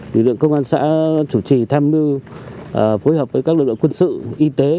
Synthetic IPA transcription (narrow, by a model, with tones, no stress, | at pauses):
lɨ̰˧˩l̰ə˨ŋkə˧wŋ͡mʔaː˧nsa̰ː˧˥t͡ɕu˧˩t͡ɕi˨˩t̪ʰaː˧mi˧˨˩ | fo˨˦jhəː˨˩p̚vəː˨˦kaː˦˥k̚lɨ˨˩lɨ˧˨kwə˧nsɨ̰˧˨ʔi˧t̪e˨˦